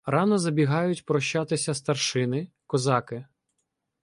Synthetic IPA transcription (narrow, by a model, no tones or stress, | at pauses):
rɑnɔzɐbʲiɦɑjʊtʲpɾɔʃt͡ʃɑt̪ɪsʲɐst̪ɐrʃɪnɪ | kɔzɑkɪ